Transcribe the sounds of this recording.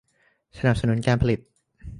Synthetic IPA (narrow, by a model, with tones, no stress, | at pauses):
sa˧na˨˩p̚sa˧nu˩˦˥nkaː˧npʰa˧li˨˩t̪̚